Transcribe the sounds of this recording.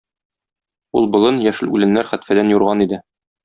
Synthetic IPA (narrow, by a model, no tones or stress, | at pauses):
ulˠbŏlˠɤnjæʃɘlʉ̰lɘ̆nːæɾχæt̪fæd̪ænjuɾʁɑnid̪ɘ